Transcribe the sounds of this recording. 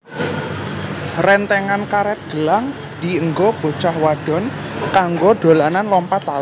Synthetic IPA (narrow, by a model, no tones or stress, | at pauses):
rɛnt̪ɛŋankaɾɛt̪̚ɡ̥ə̤laŋ | d̪̥i̤əŋɡob̥o̤t͡ʃahwaɖ̥ɔ̤nkaŋɡoɖ̪̥o̤lananlɔmpat̪al